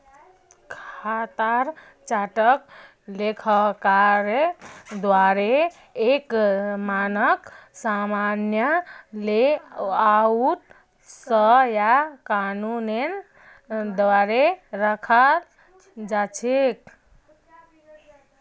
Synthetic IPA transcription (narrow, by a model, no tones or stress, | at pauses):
kʰat̪aɾ | t͡ʃaʈək | lekʰəkaɾed̪waɾe | ekmanəksamanjəleaut̪ | səjakanunen | d̪waɾeɾəkʰa | d͡ʒat͡ʃʰek